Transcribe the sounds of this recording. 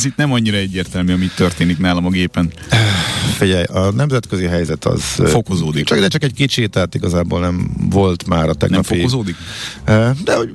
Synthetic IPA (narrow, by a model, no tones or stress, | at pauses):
zit̪nɛmɒɲːiɾɒɛɟːeːrt̪ɛlmyɒmit̪ːørt̪eːniknaːlɒmɒɡeːpɛnː | fiɟɛjɒnɛmzɛt̪køziɦɛjzɛt̪ɒ̰z̥fo̞kozoːd̪it͡ʃɒkd̪ɛt͡ʃɒkɛɟkit͡ʃit̪aːt̪iɡɒzaːboːlnɛɱvo̞lt̪maːɾɒt̪ɛ̰ɡnɛmfoikozoːd̪ik | ød̪ɛho̞ɟ